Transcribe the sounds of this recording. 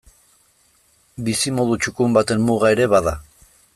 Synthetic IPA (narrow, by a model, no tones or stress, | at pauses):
bisimo̞ðut͡ʃukumbat̪e̞nmuɣae̞ɾe̞βaða